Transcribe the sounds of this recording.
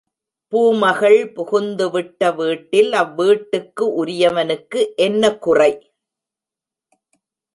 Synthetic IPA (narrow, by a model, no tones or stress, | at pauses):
puːmɐɣɐɭpʊɣʊnd̪ɯʋɪʈːɐʋiːʈːɪlɐʋːiːʈːɯkːɯʔʊɾɪjɐʋɐnɯkːɯʔɛnːɐkʊrɐɪ